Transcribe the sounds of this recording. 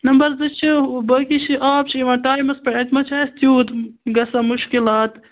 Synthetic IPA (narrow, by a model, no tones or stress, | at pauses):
nɐmbɐɾzɐt͡ʃʰibɐkit͡ʃʰiʔaːp̚t͡ʃʰiiʋɐ̃ːʈaːjmɐspɐɐt̪mɐt͡ʃʰaːst̪juːt̪ɡɐsɐmuʃkilaːt̪